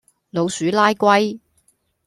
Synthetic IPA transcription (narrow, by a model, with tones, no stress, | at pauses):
lo˨˧wsyː˨˥laː˥jkʷɐ˥j